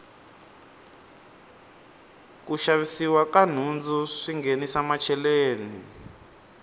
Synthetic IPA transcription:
kuʃaβisiwakan̤und͡zuʂiŋɡenisamat͡ʃʰɛleːni

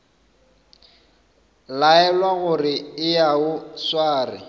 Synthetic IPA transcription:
laɛlwaɣʊrɪɪjaʊswaːrɪ̰

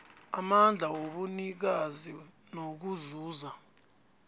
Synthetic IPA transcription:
amand͡ɮʱawoɓunik̬azinok̬uzuːza

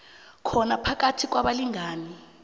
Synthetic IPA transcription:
kʰɔnapʰak̬ʼatʰik̬waɓaliŋaːni

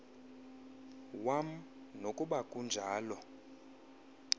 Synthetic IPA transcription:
wam̩ | nokʼuɓakʼund͡ʒʱaːlɔ

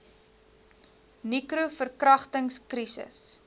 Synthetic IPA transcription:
nikɾufərkrɐχtəŋskrisə̰s

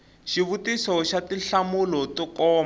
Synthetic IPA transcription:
ʃiβutisɔʃatiɬamulɔtɔkɔːm

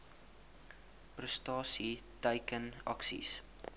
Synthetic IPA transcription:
prəstɑːsitəjkənɐ̰ksḭs

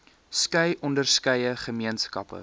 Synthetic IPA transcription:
skɐjʔɔndərskɐjəχəmiənskɐpə̰

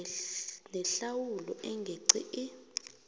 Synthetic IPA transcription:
nɛɬawulɔ̰ʔɛŋɡʱeǀḭʔi

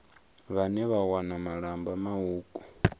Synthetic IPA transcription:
βanɛβawanamaɺambamauːkʼu̥

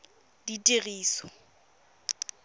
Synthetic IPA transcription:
ditʼiɣiːsɔ̥

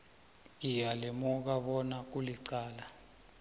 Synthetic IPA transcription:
ŋ̬ijalemuk̬aɓɔnak̬uliǀaːla

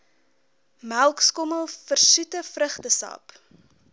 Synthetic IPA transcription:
mælˠkskɔməlˠfərsutəfrəχtəsɑ̰ːp

